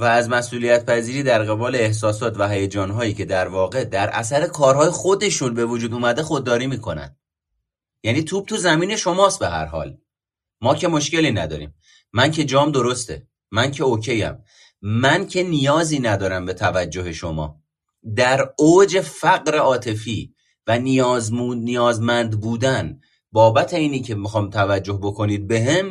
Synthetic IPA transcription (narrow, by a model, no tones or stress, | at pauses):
væːzmæsʔuːlijæt̪̚pʰæziːɾiːd̪æɾɣe̞bɒːle̞ːhsɒːsɒːt̪ʰvæɦæjed͡ʒɒːnɦɒːjiːcʰe̞d̪æɾvɒːɣe̞d̪æɾʔæ̰sæɾe̞kʰɒːɾɦɒːjexo̞d̪e̞ʃunbe̞vod͡ʒuːd̪uːmæd̪e̞xod̪̚ːɒːɾiːmiːkʰo̞̰næ̰nd̪ | jæːniːt̪ʰuːb̥̚t̪uzæmiːne̞ʃo̞mɒːst̪̚beɦæ̰ɾɦɒ̰ːl | mɒːcʰe̞mo̞ʃke̞liːnæd̪ɒ̰ːɾḭːmː | æncʰe̞d͡ʒɒːmd̪o̞ɾo̞st̪e̞̰ː | æncʰeocʰe̞jæ̰m | mæncʰe̞nijɒːziːnæd̪ɒːɾæmbe̞t̪ʰævæd͡ʒːo̞he̞ʃo̞mɒ̰ː | d̪æɾoːd͡ʒe̞fæɣɾe̞ɒːt̪ʰe̞fiː | vænijɒːzmunijɒːzmænd̪buːd̪æn | bɒːbæt̪ʰe̞iːnicʰe̞mixɒːmt̪ʰævæd͡ʒːo̞hbo̞kʰo̞niːd̪̚be̞ɦem